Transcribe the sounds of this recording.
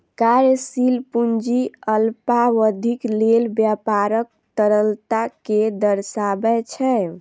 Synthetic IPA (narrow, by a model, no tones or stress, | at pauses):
kaɾsilpund͡ʒiəlpawəd̪ʱiklelbjapaɾək̚ | t̪əɾəlt̪aked̪əɾsabɛt͡ʃʰɛ